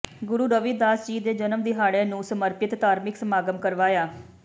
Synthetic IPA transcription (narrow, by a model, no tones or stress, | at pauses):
ɡʊɾuːɖəʋiːd̪aːsd͡ʒiːd̪eːd͡ʒənəmd̪iːɦaːɽẽːnũːsəməɾpɪt̪ːaːɾmɪksəmaːɡəmkəɾʋaːjaː